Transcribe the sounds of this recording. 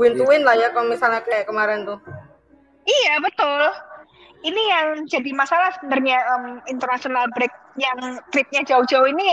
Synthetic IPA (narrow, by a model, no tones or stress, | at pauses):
wɪnt̪uwɪnlahjakalmisalɲakaakəmaɾɛnt̪u | ijabət̪ʊl | inijaŋd͡ʒadimasalahsəbənd̪arɲaʔəmint̪ərnasionalbɾɛk̚jaŋt̪ɾɪp̚ɲad͡ʒaʊd͡ʒauini